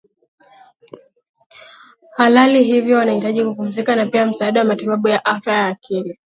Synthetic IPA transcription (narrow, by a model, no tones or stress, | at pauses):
halaliɦivjɔwanahitaʄikupum̩zikanapiam̩saːɗawamatiɓaɓujaʔafjajaːkʰili